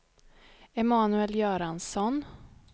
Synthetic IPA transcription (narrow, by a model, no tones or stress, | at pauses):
ɛmɑːnɵɛljœːɾansɔn